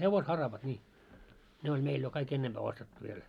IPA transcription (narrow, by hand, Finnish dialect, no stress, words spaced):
heʋoshɑrɑʋɑt nʲiː ne olʲ meil jo kɑik enːempæː ostetːu ʋiel